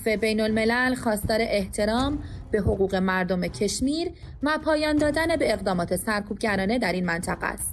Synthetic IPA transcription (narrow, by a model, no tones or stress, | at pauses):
fe̞be̞jno̞lme̞lælxɒːst̪ɒːɾeʔeht̪ʰe̞ɾɒːmb̥e̞ɦo̞ɣuːɣe̞mæɾd̪o̞me̞cʰe̞ʃmiːɾ | væpʰɒːjɒːnd̪ɒːd̪ænebe̞ːɣd̪ɒːmɒːt̪ʰe̞sæɾkʰuːb̚ɟæɾɒːne̞d̪æɾiːnmænt̪ʰæɣæ̰st̪